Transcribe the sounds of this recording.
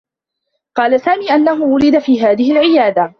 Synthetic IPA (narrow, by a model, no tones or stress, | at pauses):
qɑːlasaːmiːʔanːaɦʊwʊɾɪd̪afiːɦaːðɪhɪlʕɪjaːd̪a